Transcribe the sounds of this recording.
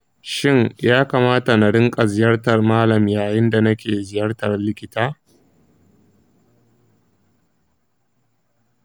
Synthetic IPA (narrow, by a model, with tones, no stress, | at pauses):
ʃɪ˦ŋjaː˦kaː˨maː˦ta˨na˨ɽɪ˦ŋkʼɐ˨zɪ˨jɐ˦rtɐ˨rmaː˦lɐ˨mjaː˨jɪ˦nda˨nɐ˦kʲeː˨zɪ˨jɐ˦rtɐ˨rlɪ˦kʲɪ˨taː˦